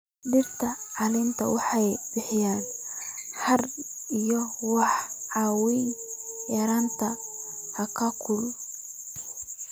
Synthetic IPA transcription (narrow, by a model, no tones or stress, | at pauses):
dɪrt̪ʰɐʕɑlɪnt̪ʰɐ̰wɑħɑjb̥ɪħɪjaːn | hɐr | ijɔwɑħʕɑːwinjɐɾaːnt̪ʰɐhɐkʰɐkʰʊl